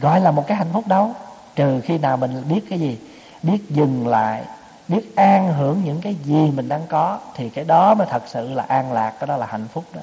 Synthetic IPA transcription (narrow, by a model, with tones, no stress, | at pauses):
ɣɔ̰˧˨jlaː˨˩mo˨˩t̚kaː˨˦jɦa̰˧˨jŋ̟fʊ˦˥k͡p̚ɗə˨˦w | t͡ɕɨ˨˩xi˧naː˨˩wmï˨˩ŋ̟˨ɓi˦˥ət̚kaː˨˦zi˨˩ | ɓi˦˥ət̚zɨ˨˩ŋla̰ː˧˨j | ɓi˦˥ət̚ʔaː˧ŋɦɨ˧˩əŋɲɨ̰˧˥ŋkaː˨˦jzi˨˩mï˨˩ŋ̟ɗaː˧ŋkɔ˨˦t̪ʰi˨˩kaː˨˦jɗɔ˨˦mɔ˨˦jt̪ʰə˨˩k̚sɨ̰˧˨laː˨˩ʔaː˧nlaː˨˩k̚kaː˨˦jɗɔ˨˦laː˨˩ha̰˧˨jŋ̟fʊ˦˥k͡p̚ɗɔ˨˦